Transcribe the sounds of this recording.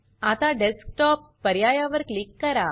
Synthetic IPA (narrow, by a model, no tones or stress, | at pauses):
at̪aɖesk̚ʈɔpːɐɾjajaʋəɾklikːɐɾa